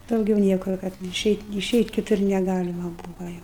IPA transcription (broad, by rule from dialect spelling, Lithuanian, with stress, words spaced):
ˈdɐʊɡʲɛʊ ˈnʲiɛkʊr kɐt ɪˈʃʲɛɪtʲ ɪˈʃʲɛɪtʲ kʲɪˈtʊr nʲɛˈɡɑːlʲɪmɐ ˈbuːʋoː ˈjɛʊ